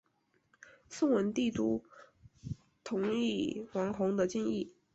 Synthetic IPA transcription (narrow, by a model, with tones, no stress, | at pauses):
sʊ˥˧ŋwə˧˥nt̪i˥˩t̪u˥ | t̪ʰʊ˧˥ŋi˥˩wɑ˧˥ŋxʊ˧˥ŋd̪ə˧t͡ɕi˥ni˥˩